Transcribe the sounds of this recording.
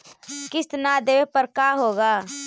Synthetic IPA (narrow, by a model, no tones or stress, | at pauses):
kɪst̪ənad̪eːʋepəɾkaːɦoːɡaː